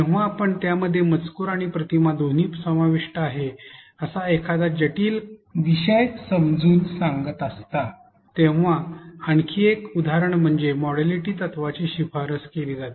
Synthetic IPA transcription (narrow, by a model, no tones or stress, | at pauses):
eʋaːpəɳt̪jaməd̪ʱːjemət͡skuɾaɽ̃ipɾət̪imad̪ʱoniːpsəmaʋiʂʈəaɦeəsaekʰad̪ad͡ʑəʈiːlʋiɕəjsəmd͡zuːnsãŋɡət̪əst̪a | t̪ẽʋaəɳkʰiekud̪ʱaɾəɳm̤əɳd͡zemɔɽaliʈiːt̪ət̪ʋat͡ɕiːɕifʰaɾəskeliːd͡zat̪i